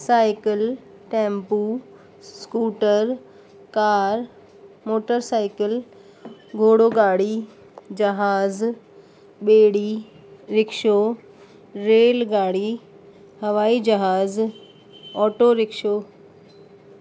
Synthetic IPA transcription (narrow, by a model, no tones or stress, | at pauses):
saːɪkəl | ʈɛ̃ːmpu | skuːʈəɾ | kaːɾ | moːʈəɾsaːɪkəl | ɡʱoːɽoːɡaːɽi | d͡ʒɐɦaːz | ɓeːɽi | ɾɪkʃo | ɾeːlɡaːɽi | hɐʋaːid͡ʒɐɦaːz | ɔːʈoɾɪkʃo